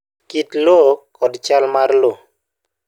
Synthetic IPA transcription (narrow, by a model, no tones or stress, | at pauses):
kit̪lokɔdt͡ʃalmarlo